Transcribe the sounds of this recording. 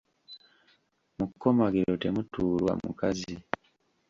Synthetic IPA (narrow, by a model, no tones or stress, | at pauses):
mukːo̞maɡiɾote̞mutuːlwa̰mṵkazi